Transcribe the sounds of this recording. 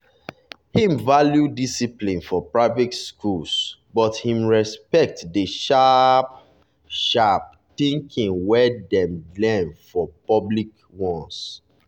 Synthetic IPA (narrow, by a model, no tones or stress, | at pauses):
hĩmvaljudisiplĩnfɔpɹaɪvɛtskʰulsbɔthĩmɹɛspɛk̚tdəʃap̚ | ʃap̚ | tĩŋkʰĩŋwɛdɛ̃mblɛ̃nfɔpɔblik | wɔ̃ns